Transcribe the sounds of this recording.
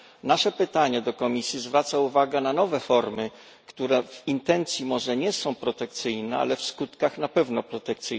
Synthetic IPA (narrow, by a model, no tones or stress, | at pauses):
naʂɛpɘt̪aɲɛd̪ɔkɔmʲisʲjizvɾat̪sauvaɡɛnanɔvɛfɔɾmɘ | kt̪uɾɛvint̪ɛnt̪sʲjimɔʐɛɲɛsɔ̃w̃pɾɔt̪ɛk̚t̪sɘjnɛa̰lɛfskut̪kaxnapɛvnɔpɾɔt̪ɛkt̪sɘj